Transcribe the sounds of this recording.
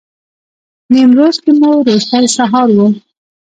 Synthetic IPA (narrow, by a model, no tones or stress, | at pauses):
nimɾozkemoɾost̪ɑjsaɦɑɾwu